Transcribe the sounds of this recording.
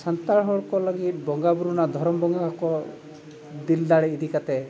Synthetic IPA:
sant̪aɭɦɔɭɔkɔlɔɡit̪̚bɔŋɡabuɾunad̪ʱɔɾɔmɔbɔŋɡakɔ | d̪ild̪aɭeid̪ʱikat̪e

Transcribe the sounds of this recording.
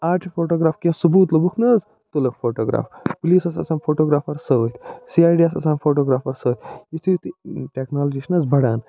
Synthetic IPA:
aːɾʈʰifʰoːʈoːɡɾaːfkẽsubuːt̪lɐbukʰnɐz | t̪ulɐkfʰoːʈoːɡɾa̰ːfpuliːsɐsɐ̰saːnfʰoːʈoːɡɾaːfɐɾsɐʋət̪ʰsiːaːjɖiasɐ̰saːnfʰoːʈoːɡɾaːfɐɾsəːt̪ʰjit̪ʰit̪ʈeːknaːld͡ʒiːʃnɐzbɐɽaːn

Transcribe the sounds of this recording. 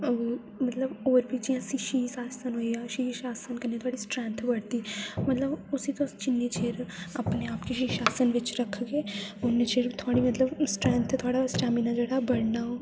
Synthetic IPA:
mət̪ləboːɾbʱid͡ʒijãsiʃisaːsənɦoːiaʃiʃaːsənkənẽt̪oaːɽisʈɾɛ̃ːnt̪ʰbəɽt̪iːmət̪ləbʊsit̪õt͡ʃɪnːet͡ʃʰeːɾəpneaːpkeʃiʃaːsənʋɪt͡ʃɾəkʰːɡeːʊnːet͡ʃʰeːɾt̪ʰʊaːɽimət̪ləbsʈɾɛ̃ːnt̪ʰt̪ʰʊaːɽasʈaːminãd͡ʒeːɽabəɽnaɦoː

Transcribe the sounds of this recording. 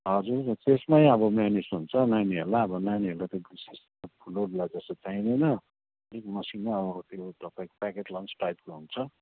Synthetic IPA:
ɦʌd͡zurt̪esmajʌbʌmanisɦunt͡sʰʌnajnɦelaʌbʌnajnɦelat̪ʌbises | apʰuloɽlad͡zʌsʌt͡saĩd̪ʌjnʌ | ekmʌsinmabkot̪joʈʌpakpakeʈlʌnt͡sʈajp̚koɦunt͡sʰʌ

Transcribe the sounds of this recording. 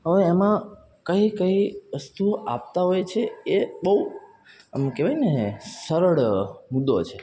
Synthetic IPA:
ɦəʋeːmã | kəikəiʋəst̪uap̚t̪aɦojt͡ʃʰeebəɦu | mkeʋajnesəɾəɽmud̪o̰t͡ʃʰe

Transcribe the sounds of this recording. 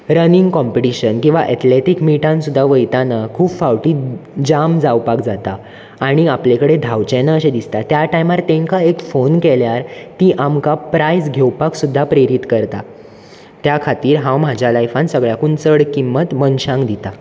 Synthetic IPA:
ɾənĩŋɡkɔmpiʈiɕənkĩw̃ʋaʔɛt̪leʈikmiʈãnsud̪ʱːaʋəjt̪anakʰuːpfawʈiːd͡ʑamd͡zawpak̚d͡zat̪aː | ɽ̃iaplekəɽed̪ʱawt͡ɕenaəɕed̪ist̪at̪jaʈajmaɾt̪ẽŋkaekfonkeljaɾt̪iʔamkapɾajsɡʱewpaksud̪ʱːapɾeɾit̪kəɾt̪a | t̪jakʰat̪iːɾɦãwm̤ad͡ʑʱjalajfãnsəɡɭjakunt͡səɽkimːət̪mənɕãŋɡd̪it̪a

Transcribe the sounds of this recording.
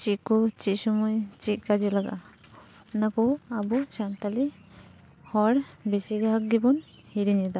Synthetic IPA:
t͡ʃikɔt͡ʃisɔmɔjt͡ʃiʔ̚kad͡ʒɛlaɡa̰ | nakɔabusant̪ali | hɔɽbesiɡaɦak̚ɡibɔn | hiɾinɛd̪a

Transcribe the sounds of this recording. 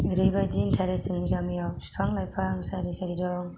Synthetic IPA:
ɾibad͡ʒintʰaɾesɯŋniɡamijapsi̥pʰaŋlajpʰaŋsaɾisaɾidɔŋ

